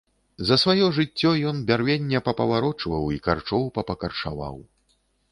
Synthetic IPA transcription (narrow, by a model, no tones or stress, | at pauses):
zɐsvajɔʐɨt͡sʲːɔjɔnbʲarvʲenʲːɛpɐpɐvaɾɔt͡ʂvɐwikart͡ʂɔwpɐpɐkɐrʂa̰va̰w